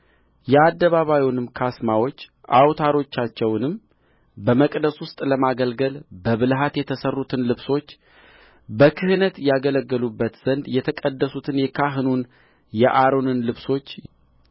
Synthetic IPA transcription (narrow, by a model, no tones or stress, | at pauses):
jɛad̪ːəβaβajwnɨmkʰasmawo̞t͡ʃː | ʔa̰wt̪ʰaɾo̞t͡ʃːat͡ʃːɛwnɨm | bəməkʼd̪əswʊst̪ʼləmaɡəlɡəlbəβɨlɦat̪jɛt̪ʰəsərːut̪ʰɨnlɨβso̞t͡ʃː | bəkʰɨhɨnət̪jaɡələɡːəlubːət̪z̥ənd̪jɛt̪ʰəkʼəd̪ːəsut̪ʰɨnjɛkʰaɦɨnun | jɛʔaɾo̞nɨnlɨβso̞t͡ʃː